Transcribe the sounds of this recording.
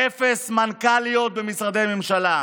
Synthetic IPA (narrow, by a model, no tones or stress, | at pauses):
efesmankalijo̞t̪̚bemisʁad̪e̞jame̞mʃala